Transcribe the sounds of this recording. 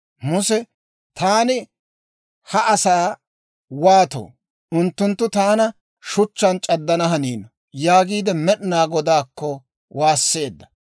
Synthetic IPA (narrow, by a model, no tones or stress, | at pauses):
mʊsɛ | t̪aːnɪ | hɐʔɐsaː | waːt̪o̰ː | ʊnt̪ːʊnt̪ːʊt̪aːnɐ | ʃʊt͡ʃːɐnt͡ʃʼɐd̪ːɐnɐɦɐniːnɔ | jaːɡiːd̪ɛmɛɗɪnaːɡɔd̪aːkːɔ | waːsːe̞ːd̪ːɐ̥